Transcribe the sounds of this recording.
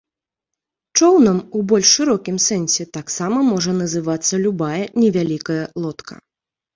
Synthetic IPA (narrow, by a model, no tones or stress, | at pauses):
t͡ʂɔwnɐmubɔlʲʂːɨɾɔkʲimsɛnʲsʲɛt̪aksamɐmɔʐɐnɐzɨvat̪sːɐlʲubajɐnʲɛvʲalʲikɐjɐlˠɔt̪kʰɐ̰